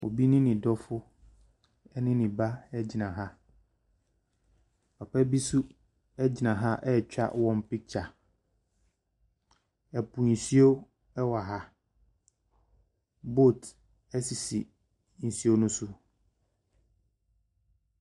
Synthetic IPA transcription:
o̰˨bi˦nɪ̃˦nɪ̃˨dɔ˦fʊ˦ | ɛ˦nɪ̃˦nɪ̃˨ba˦ɛ˦d͡ʑɪ˨nã˨ɦa˦ | ɔ˨pʰɛ˦bi˦su˦ | ɛ˦d͡ʑɪ˨nã˨ɦa˦ʔɛ˦˨t͡ɕᶣa̰˦wɔ̃˨m̩˦pɪ˦k̚t͡ɕʰa˨ | ɛ˨pʰu˨n̩˨si˦o˦ | ɛ˦wa˨ɦa˦ | bo˦˨t | ɛ˦si˨si˨ | n̩˨si˦o˦nʊ̃˦sʊ˦

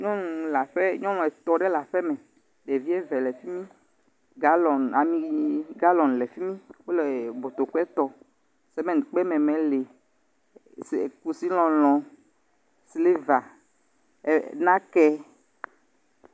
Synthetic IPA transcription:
ɲɔ̃˦nũ˨la˨ɸe˦ɲɔ̃˦ñɔ̃˨ɛ˨t̪ɔ˨ɖe˦la˨ɸɛ˦mɛ̃˨ | ɖe˨vi˦e˦vɛ˨le˨fi˦mĩ˦ | ɡa˦lɔ˨na˨mĩ˦ɡa˦lɔ˨n˨le˨fi˦mĩ˦wo˦le˨bo˨t̪o˨kɛ˦t̪ɔ˨ | sɛ˦mɛ̃˦˨n˨k͡pɛ˦mɛ̃˨mẽ˨le˨ | sku˨si˦lɔ̃˨lɔ̃˨ | sle˦va˨ | nã˦kɛ˦

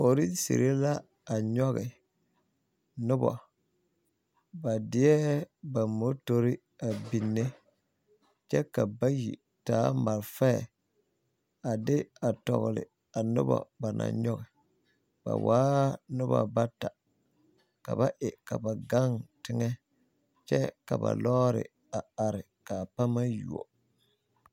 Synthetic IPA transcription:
fo˨ɾi˦sḭ˨ɾe˦la˦ | a˨ɲɔ˦ɣɪ˨ | nʊ˦bɔ̰˨ | ba˨dɪ˦ɛ˦ba˨mo˦to˦ɾɪ˦ | a˨bi˨nːe˦ | t͡ʃɛ˦ka˨ba˦jḭ˨ | taː˦ma˨lfɛ˦˨ | a˨dɪ˦a˨tɔ̰˨ɣlɪ̰˨ | a˨nʊ˦ba̰˨ba˨nʔa̰˨ɲɔ˦ɣɛ˨ | b̥a̰˨waː˦nʊ˦ba̰˨ba˦ta˨ | ka˨ba˦ʔɪ˨ka˨ba˨ɡa˦ŋtɪ˦ŋɛ˦ | t͡ʃɛ˦ka˨ba̰˨lɔ˦ɾɪ̰˨ | a˨a˨ɾɪ˨ka˨pa˦ma˦ju˨ɔ̰˨

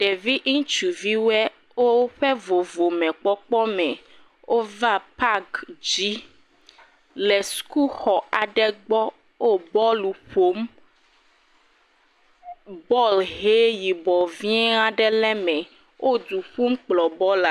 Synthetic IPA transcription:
ɖɛ˨vi˦ʔŋ̩̃˦t͡ʃu˨vi˦wɛ˦ | wo˦ɸɛ˦vo˨vo˨mɛ̃˨k͡pɔ˦k͡pɔ˦mɛ̃˨ | wʔo˦va˦pa˦ɡd͡ʒi˦ | lɛ˨sku˦xɔ˨a˨ɖɛ˦ɡ͡bɔ˦ | wo˦bɔ˦lu˨ɸo˦m | bɔ˦lɦe˦ji˨bɔ˨vi˦ɛ˦a˦ɖɛ˦lɛ˦mɛ̃˨ | wʔo˦d̪u˨ɸu˦mk͡plɔ˨bɔ˦la˨˦

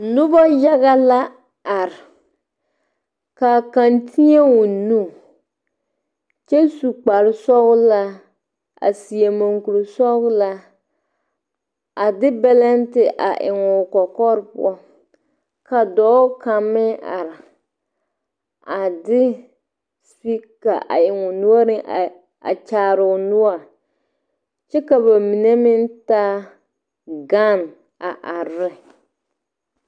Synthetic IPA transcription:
nʊ˦bɔ˦ja˦ɣa˦la˦ | a˨ɾɪ˨ | ka˨ka˨ntʰi˦e˦wʊ˨nu˦˨ | t͡ʃɛ˦su˨k͡pa˨ɾɪ˦sɔ˦ɣla˦ | a̰˨si˨e˨mo˨ŋku˨ɾʊ˨sɔ˦ɣla˦ | a˨dɪ˦bɛ˦lɛ˦n˦tɪ˨ʔa̰˨ʔɪ̰˨ŋʊ˨kɔ˨kɔ˦ɾpʊ̰˦ɔ˦ | ka˨dɔː˦ka˨mːɪ˦ʔa̰˨ɾɪ˨ | a˨dɪ˦ | spi˦kːa˨ʔa̰˨ɪ˨ŋʊ˨nu˦a˦nɪ˦ʔ | a̰˨t͡ʃaː˨ɾʊ˨nʊ˦a˨ | t͡ʃɛ˦ka˨ba˨mi˨ne˦mɪ˦n˦taː˦ | ɡa˦˨n | a˨ʔa˨ɾɪ˦

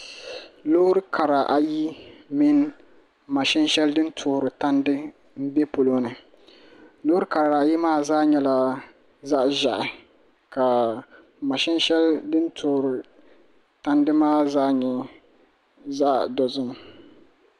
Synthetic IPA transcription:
lo˦ɾɨ˦kʰa˨ɾa˨ʔa˨ji˦mɪ˦n˦ | ma˨ʃɛ˦nʃɛ˦ldɨ˦n˦tʰʊː˨ɾɨ˨ta˦ndɨ˦ | m̩˦bɛ˦po˨lo˦nɨ˨ | loː˦ɾɨ˦ka˨ɾa˨ji˦maː˦zaː˦ɲɛ˦la˨ | za˦ʔʒa˨ʔɪ˨ | ka˨ | ma˨ʃɛ˦nʃɛ˦ldɨ˦n˦tʰoː˨ɾɪ˨ | ta˦ndɨ˦maː˦zaː˦ɲɛ˨ | zaː˦ʔdɔ˨zʊ˦m˦

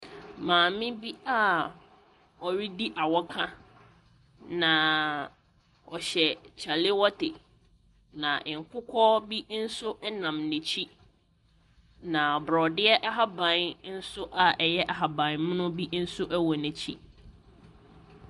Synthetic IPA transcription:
mãː˨mɪ̃˦bi˦a˦ | ɔ˨ɥi˦di˦ʔa˨wɔ˦kʰã˦ | nã˨ | ɔ˨ɕɛ˨t͡ɕʰa˨lɪ˦wɔ˦tɪ˨ | nã˨ʔɪ̃˨ŋ˨kʰʷʊ˦kʰɔ˦bi˦n̩˦sʊ˦ʔɛ˦nã˨mnɪ̃˨t͡ɕʰi˦ | nã˨bɾɔ˨dɪ˦ɛ˦ʔa˦ɦa˦bã˨nn̩˦sʊ˦ʔa˨ɛ˨jɛ˦ʔa˨ɦa˨bã˨nmʊ̃˦nʊ̃˦bi˦n̩˦sʊ˦ʔæ˦wɔ˨nɛ̃˨t͡ɕʰḭ˦

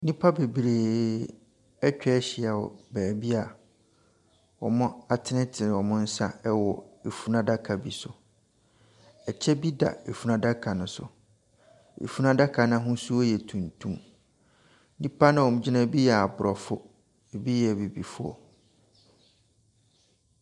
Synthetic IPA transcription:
nĩ˦pʰa˦be˨bɾeː˨ | ɛ˦t͡ɕᶣɛ˦ɕɪ˨˦a˨wɔ̰˨bæː˨bi˦a˨ | wɔ̰˨mʊ̃˦a˨tʰɪ˦nɪ̃˦tʰɪ˨wɔ˨mʊ̃˦n̩˦sã˦ɛ˦wɔ˨e˨fu˨nã˦da˦kʰa˨bi˨sʊ˨ | ɛ˨t͡ɕʰɛ˦bi˦da̰˨e˨fu˨nã˨da˦kʰa˨nʊ̃˦sʊ̰˨ | ḛ˨fu˦nã˦da˦kʰa˨nã˦ɦʊ̃˦su˦ɔ˦jɛ˨tʰũ˨n˨tʰũ˦m | nĩ˦pʰa˦nã˦˨wɔ˨m̩̃˦d͡ʑi˦nã˦˨bi˦jɛ˨a˨bʊ˨ɾɔ˨fʊ˦ | e˨bi˦jɛ˨bi˨bi˨fʊ˦ɔ̰˨

